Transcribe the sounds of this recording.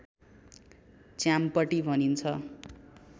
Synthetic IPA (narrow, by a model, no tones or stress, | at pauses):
t͡sjampʌʈibʱʌnint͡sʰʌ